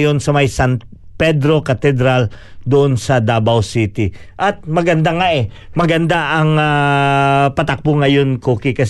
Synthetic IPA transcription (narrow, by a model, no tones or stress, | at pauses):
jo̞nsɐmɐjsant̪ | pɛd̪ɾo̞kɐt̪ɛd̪ɾald̪ʊʔonsɐd̪aːbɐwsiːt̪ɪ | ʔɐt̪̚mɐɡɐnd̪aŋaʔɛ | mɐɡɐnd̪aʔɐŋa | pɐt̪ɐk̚boŋːɐjonkoːkɪkɐs